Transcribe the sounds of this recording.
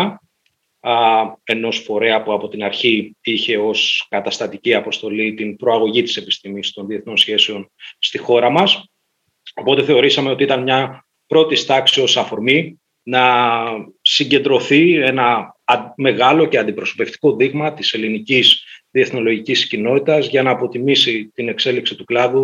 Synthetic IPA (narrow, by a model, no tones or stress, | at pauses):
e̞no̞sfo̞ɾe̞ɐpuɐpo̞t̪inɐɾçiiçe̞o̞skɐt̪ɐst̪ɐt̪iciɐpo̞st̪o̞lit̪inpɾo̞ɐɣo̞ʝit̪i̥se̞pist̪imist̪o̞nðie̞θno̞nsçe̞sio̞nst̪ixo̞ɾɐmɐs | o̞po̞t̪e̞θe̞o̞ɾisɐmeot̪iit̪ɐnmɲɐ | pɾo̞t̪ist̪ɐksio̞sɐfo̞ɾmi | nɐ | siɲɟe̞nd̪ɾo̞θie̞nɐ | me̞ɣɐlo̞ce̞ɐnd̪ipɾo̞so̞̥pe̞ft̪i̥ko̞ðiɣmɐt̪ise̞linicisðie̞θno̞lo̞ʝiciscino̞t̪it̪ɐzʝɐnɐːpo̞t̪imisit̪ine̞kse̞liksit̪uklɐðu